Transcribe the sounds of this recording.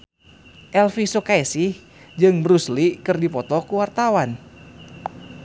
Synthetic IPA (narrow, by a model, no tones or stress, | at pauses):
ʔɛlfisokaɛsih | d͡ʒɨŋbəɾuslikɨrdipɔt̪ɔkuwart̪awan